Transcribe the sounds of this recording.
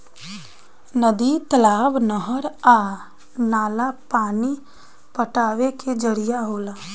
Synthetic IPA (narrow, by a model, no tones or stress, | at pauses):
nəd̪it̪əlaːbnəɦəɾaː | naːlapaːni | pəʈaːʋeked͡ʒəɾijaɦoːlaː